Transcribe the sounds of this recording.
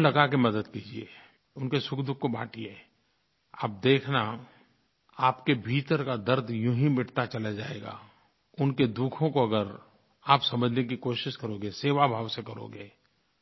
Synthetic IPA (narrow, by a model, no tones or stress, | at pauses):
lɐɡakemɐd̪əd̪kiːd͡ʒiḛ | ʊnkesʊkʰd̪ʊkʰːoba̰ːʈʰie | a̰ːp̚d̪eːkʰna | aːpkebʱiːt̪əɾkad̪əɾd̪ʱjʊ̃ɦĩmɪʈʰt̪at͡ʃɐlad͡ʒaːḛːɡa̰ː | ʊnked̪ukʰõkoɐɡəɾ | aːpsɐməd͡ʒʱnek̬ikoːʃɪʃkɐɾoɡeseːʋabʱaːʋsekɐɾo̰ːɡeː